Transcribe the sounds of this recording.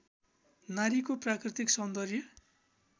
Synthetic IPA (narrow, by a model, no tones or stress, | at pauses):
naɾikoprakrit̪iksʌnd̪ʌrjʌ